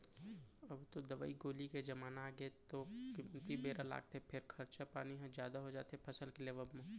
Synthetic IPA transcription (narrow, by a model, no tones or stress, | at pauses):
ɐbt̪od̪ɐʋa̰ːiɡoːliked͡ʒɐmaːnaːɡət̪okɪmːət̪ibeːɾala̰ːɡ̚t̪eɛpʰɪɾkʰɐɾt͡ʃapaːniɦɛ̃d͡ʒjaːd̪aɦod͡ʒa̰ːt̪eɦɛpʰɐsəlkeleːʋəbmẽ